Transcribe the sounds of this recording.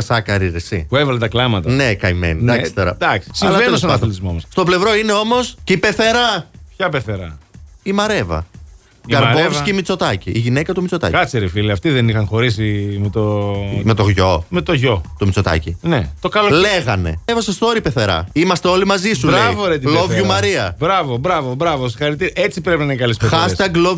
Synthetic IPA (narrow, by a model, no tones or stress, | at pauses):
ɐsɐkɐɾiɾesipuevɐlet̪ɐklɐmɐt̪ɐnekɐjmḛnind̪ɐksi̥t̪o̞ɾɐ̰d̪ɐksi̥siɐlvɐensɐnɐlizmomosst̪ople̞vɾo̞ine̞o̞mo̞sceipe̞θe̞ɾɐpçɐpeθeɾɐimɐɾe̞vɐ̰ | ɡɐɾovsceimit͡so̞t̪ɐciːʝinekɐt̪umit͡so̞t̪ɐ̰kɐt͡seɾifiliɐft̪iðenixɐnxo̞ɾis̬imet̪ome̞t̪oɣʝo̞me̞t̪o̞ʝo̞t̪umit͡so̞t̪ɐ̰cinet̪o̞kɐlole̞ɣɐne̞̰evɐsestθoɾipeθe̞ɾɐ̰imɐst̪eo̞limɐzisulɾeivoɾet̪ilovʝumɐɾiɐbɾɐvobɾɐvobɾɐvosixɐɾit̪iɾɐʔet͡sipɾepinɐikɐlisexɐssst̪ɐɡlo